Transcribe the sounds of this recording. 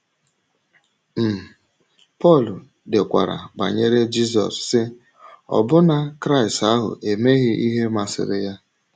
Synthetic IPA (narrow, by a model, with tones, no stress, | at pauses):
m̩˨ | pɔ˦˨lʊ˨ | dɪ˨kʷa̰˨ɾa̰˨ba̰˨ɲe˦ɾe˦d͡ʒi˦s̬ɔ̰˨sːɪ˦ | ɔ̰˨bʊ˦na˨kɾa˦˨i˨sta˦ɦʊ̰˨ʔe˨me˦ɣɪ˦ʔi˦ɦe˦ma˨sɪ̰˨ɾɪ˦ja˦